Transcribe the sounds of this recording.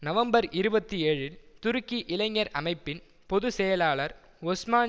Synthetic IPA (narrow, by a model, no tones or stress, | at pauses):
nɐʋɐmbɐɾɪɾɯbɐt̪ːieːɻɪlt̪ʊɾɯkːiʔɪlɐɪŋːɐɾɐmɐɪpːɪn | pɔðɯsɛjɐlaːɭɐɾ | ɔsmaː